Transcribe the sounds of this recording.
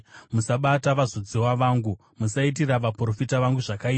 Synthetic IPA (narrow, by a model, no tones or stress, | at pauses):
musaɓataʋazod͡zewaʋaːŋɡu | musait̬iraʋapro̞fitaʋaŋɡuʐakaiːa